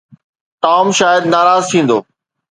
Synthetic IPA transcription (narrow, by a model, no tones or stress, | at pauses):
t̪aːmʃaːjəd̪naːɾaːzt̪ʰĩːnd̪oː